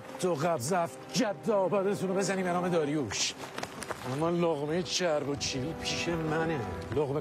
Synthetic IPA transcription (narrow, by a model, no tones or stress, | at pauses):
t̪oɣæbzæf | d͡ʒæd̪ːɒːbæd̪esʰumebezæniːbenɒːmed̪ɒːɾijuʃ | ʔæmːɒloɣmet͡ʃʰæɾbot͡ʃʰiːvipʰiːʃemæneloɣme